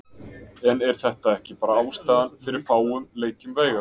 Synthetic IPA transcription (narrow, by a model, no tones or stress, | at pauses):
ɛnɛɾ̥θɛht̪aɛhcɪpaːɾaaːwst̪aːðanfɪɾɪɾ̥faːwʏmleːjcʏmveːjɣa